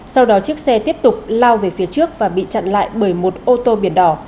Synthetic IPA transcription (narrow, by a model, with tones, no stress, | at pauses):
sa˧wɗɔ˨˦t͡ɕɨ˦˥ək̚sɛ˧t̪i˦˥əp̚t̪ʊ˨˩k͡p̚laː˧wve˨˩fi˨˦ət͡ɕɨ˦˥ək̚vaː˨˩ɓḭ˧˨t͡ɕa̰˧˨nla̰ː˧˨jɓəː˧˩jmo˨˩t̚ʔo˧t̪o˧ɓi˧˩ənɗɔ˨˧˩